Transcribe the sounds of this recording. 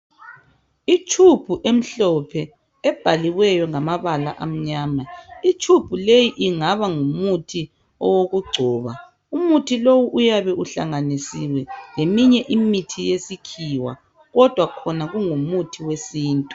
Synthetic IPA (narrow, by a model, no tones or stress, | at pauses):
it͡ʃʰub̥ʱuʔem̩ɬɔpʰɛ | ɛb̥ʱaliwɛjɔŋamaβala̰ʔam̩ɲaːmait͡ʃʰub̥ʱulejiʔiŋaβaŋumutʰi | ɔwoɣuɡ͡ǀʱɔːβa | umutʰilowuʔujaβɛʔuɬa̰ŋanisiwɛlemiɲɛʔimitʰijesikʰiwa̰ | ɣɔd̥ʱwakʰɔnaɣuŋumutʰiwesiːntʼu̥